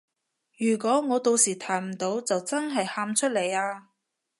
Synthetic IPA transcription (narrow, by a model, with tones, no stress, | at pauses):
jyː˨˩kʷɔː˨˥ŋɔː˨˧t̪o˧wsiː˨˩t̪ʰaː˨˩jm̩˨˩t̪o˨˧˥wt͡sɐ˨wt͡sɐ˥nɦɐ˨jhaː˧mt͡ʃʰɵ˥t̚le˨˧jaː˧